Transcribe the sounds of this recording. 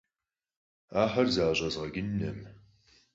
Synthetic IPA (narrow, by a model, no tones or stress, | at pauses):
aːħɐrzaːʑʼɐzʁɐɡɪnːɐm